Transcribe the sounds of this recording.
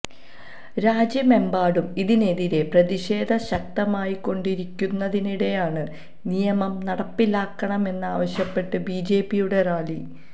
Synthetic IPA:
ɾaːd͡ʑjɐme̞mbaːɽumiðine̞ðiɾe̞prɐðiɕe̞ːd̪ʱɐɕɐk̚t̪ɐmaːjikːo̞ɳɖiɾikʲːunːɐðiniɽe̞jaːɳɨ | nijɐmɐmnɐɽɐpːilaːkːɐɳɐme̞nːaːʋɐɕjɐpːe̞ʈːɨbiːd͡ʑe̞ːpːijuɽe̞raːli

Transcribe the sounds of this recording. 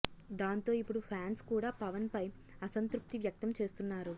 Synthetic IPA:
d̪aːnt̪o̞ːipːuɽupʰaːnskuːɽaːpɐʋɐnpɐj | ɐsɐnt̪ɾup̚t̪iʋjɐk̚t̪ɐmt͡ʃe̞ːst̪unːaːɾu

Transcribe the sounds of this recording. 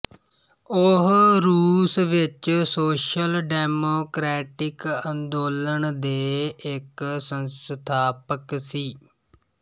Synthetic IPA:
ʊɦɾuːsʋɪt͡ʃsoːʃəlɖɛːmoːkɾɛːʈɪkənd̪oːləɳd̪eːɪksənst̪ʰaːpəksiː

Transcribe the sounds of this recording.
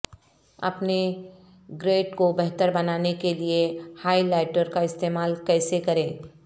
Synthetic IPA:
ɐ̰pne | ɡɾeːɖkobɛɦt̪əɾbɐnaːnekeliehaːilaːɪʈəɾkaɪst̪eːmaːlkɛːsekɐɾẽː

